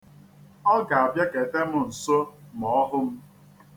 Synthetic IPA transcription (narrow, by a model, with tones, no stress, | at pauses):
ɔ˦ɡa˨a˨bja˦ke˨te˦mʊ˦˨n̩˨so˦mɔ˨ɔ˦ɦʊ˦m̩˦